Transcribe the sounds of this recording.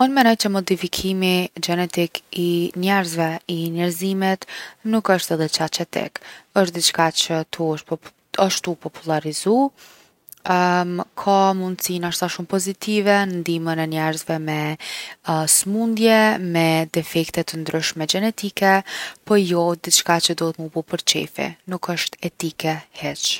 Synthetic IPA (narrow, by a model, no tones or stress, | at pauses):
unmɛnɔjt͡ʃəmɔd̪ifikʰimid͡ʒɛnɛt̪ikinɛɾzvɛinɛɾzimit̪nukəʃt̪ɛðɛt͡ʃat͡ʃɛt̪ɛ̰kəʃt̪̚d̪it͡ʃkat͡ʃət̪ʰuʃt | aʃt̪upɔpulˠaɾizu | kʰamund̪sinaʃt̪aʃumpɔzit̪ivɛnənd̪imənɛnɛɾzvɛmɛ | smund̪jɛmɛd̪ɛfɛkt̪ɛt̪ənd̪ɾyʃmɛɡɛnɛt̪ikɛpɔjɔd̪it͡ʃkat͡ʃəd̪ɔɦɛt̪mubupəɾt͡ʃɛ̰fɛ̰nukəʃt̪ɛt̪ikɛhɛt͡ʃ